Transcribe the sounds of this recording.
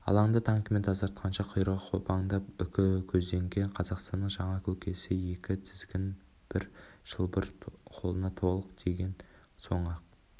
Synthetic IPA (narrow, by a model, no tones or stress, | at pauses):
ɑ̰lˠɑɴd̪ɑt̪ʰɑŋkʲme̞nt̪ʰɑzɑɾt̪̚qʰɑnʃɑqʰʊjəɾʁɑqʰo̞pɑɴd̪ɑpʏkʲɪkʲʰɵzd̪e̞ŋɡʲe̞ɴqʰɑzɑqst̪ɑnːəɴʒɑɴɑkʲʰɵkʲe̞sɪje̞kʲɪt̪ʰɪ̥zɡʲɪn | b̥ɪɾʒ̥əlˠbəɾqʰo̞lˠənɑt̪ʰo̞lˠəqd̪̥e̞ɡʲe̞n | so̞ɴɑq̚